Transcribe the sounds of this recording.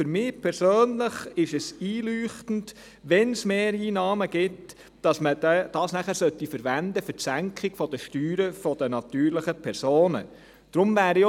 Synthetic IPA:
fʏɾmɪːpʰɛɾsøːnləχɪʃɛsiːlyːχtn̩d | ʋɛnsmeːɾiːnɑːməɡ̥ɪt | d̥ɑsmədɛd̥ɑːsnæχæɾsœtːifəɾʋænd̪əfəsæŋkχɪɡ̥fɔd̥̪əʃtyːɾəfɔd̥̪ənɑt̪yːɾləχəpʰɛɾsoːnə̰ | d̥ɾʊmvæːɾi

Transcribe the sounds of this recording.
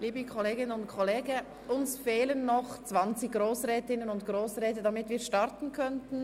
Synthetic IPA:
liːbəkʰɔleːɡɪnənʊntkʰɔleːɡə | ʔʊnsfeːlənːɔχt͡svant͡sɪçɡ̥ʁoːsʁɛːtɪnənʊntɡ̥ʁoːsʁɛːtədamɪtviːɐʃtaɾtn̩kʰœntn̩

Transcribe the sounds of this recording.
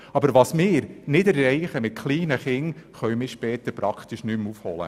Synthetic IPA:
ɑbəɾʋɑsmɪːɾnɪdɛɾːɛɪχəmɪt̚kʰliːnəχɪŋχœɥmɪːʃpɛːt̪əɾpɾɑkχt̪iʃnymufhɔ̰lə̰

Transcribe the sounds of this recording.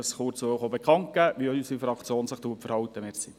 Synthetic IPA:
sχʊrt͡sooχobekχɑŋk̚ɡ̥æʋiœysifɾɑkt͡sjoːnsəχtuːəpfəɾhɑwt̪əmeːsi

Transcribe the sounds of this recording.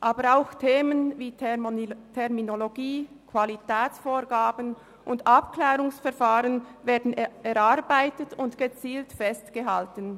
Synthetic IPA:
ʔaːbəɾaʊxtʰeːmənviː | tʰɛʁminoloɡiː | kʰv̥alitʰɛːt͡sfoːɡaːbən | ʔʊndʔapklɛːʁʊŋsfɛɐfaːʁənveːɐdn̩ɛɾaɾbaɪtətʊntɡ̥ət͡siːltfɛstɡ̥əɦaltən

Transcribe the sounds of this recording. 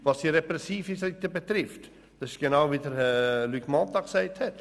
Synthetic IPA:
ʋɑsd̥iɾɛpɾɛsiːfisɪktəbet̪ɾɪft | d̥ɑsɪ̥ʃɡ̥enaʊʋiːdəɾlyːkmɑnt̪ɑksæɪthɛt

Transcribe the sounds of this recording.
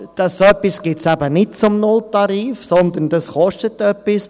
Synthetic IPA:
d̥ɑsœpːisɡ̥ɪtsæbənɪt̚t͡sʊmnʊltɑɾiːfsɔnd̪əndɑsχɔʃtətœpːis

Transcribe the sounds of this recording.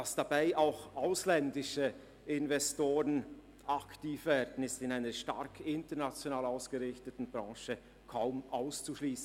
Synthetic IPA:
d̥asd̥abaɪʔaʊxʔaʊslɛndɪʃə | ʔɪnvɛstoːʁən | ʔaktiːfvɛːɐdn̩ɪstɪnaɪnəʃta̰ɾkʰɪntənat͡sjonaːlaʊsɡ̥əʁɪçtətn̩bʁɑ̃ːʃə | kʰaʊmʔaʊst͡suʃliːsn̩

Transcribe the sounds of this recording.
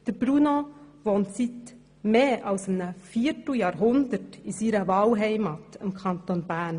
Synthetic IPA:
d̥əɾb̥ɾunoʋoːntsit | meːʔɑwsɪmnəfiːətl̩jɑːɾɦʊnd̪əɾtisiɾəvɑːlɦɛɪmɑtɪmkʰɑnt̪onbæːɾn

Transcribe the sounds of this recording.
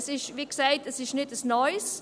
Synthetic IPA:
sɪʃviːksaɪtəsɪʃnɪtəsnɔɪs

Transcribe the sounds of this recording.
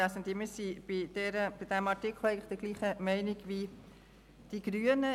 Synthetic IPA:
asənd̪imisib̥id̥ɛːɾəb̥id̥æmɑɾtikʰl̩ˠɛɪŋləχd̥əɡliːχəmɛɪnɪɡʋi | d̥iɡ̥ɾyənə

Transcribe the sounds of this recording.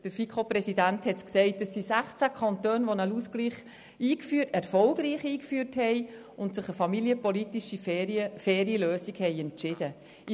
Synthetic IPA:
d̥əɾfikχoprɛsidænthɛtksɛɪt̚d̥əsːisæχt͡sækʰɑntøːnʋonaluskliːχ | iːkfyːtɛɾfɔlɡriːχiːkfyːrthɛɪ | ʊntsɪχəfɑmiliəpɔlitiʃiəfɛːɾiəløːsiɡhɛɪɛnt͡ʃɪd̥ə

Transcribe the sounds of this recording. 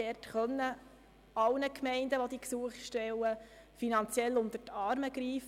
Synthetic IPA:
ɛrtχœnːə | ɑwnəkmɛɪndəʋod̪iːksuəχʃtɛwə | finɑnt͡sjɛlʊnd̪ətɑːɾməɡɾiːf

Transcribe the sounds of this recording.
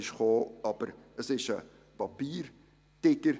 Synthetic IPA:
ɪʃχoːɑb̥əɾəsɪʃə | pɑpiːɾ | tɪɡəɾ

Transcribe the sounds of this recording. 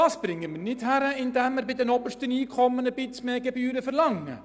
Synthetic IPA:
ɑːsb̥ɾɪŋːəmɪnɪthæɾəɪnd̪æmːɪɾbɪdɛnɔbəʃtəniːkʰɔmːənəbɪt͡smeːɡɛbyːɾəfəɾlɑŋːə̰

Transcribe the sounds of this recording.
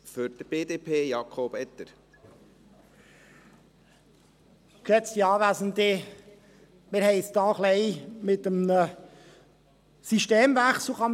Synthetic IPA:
føɾd̪b̥eːd̪eːpʰeːjɑkʰoːbɛt̪əɾ | kɛt͡st̪iɑːʋæːsənd̪ɪ | mɪɾhɛɪstɑːχlɛɪmɪt̪əm | siʃteːmvæχsl̩ˠχɑm

